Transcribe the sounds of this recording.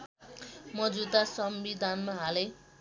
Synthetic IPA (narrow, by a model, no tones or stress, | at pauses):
mʌd͡zud̪asʌmbid̪ʱanmaɦale